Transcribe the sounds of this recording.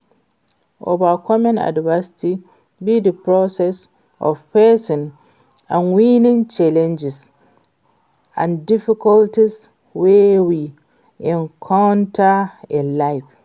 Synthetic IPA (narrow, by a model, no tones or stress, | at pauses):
ʔovakɔmãna̰dvasi̥ti | bidəpɾɔsɛs | ʔɔ̰fpɛsɔ̃n | ãnwinĩnt͡ʃalɛ̃nd͡ʒis | ʔã̰ndifikɔltis | wewi | ʔɛ̃nkʰawntaɛlajf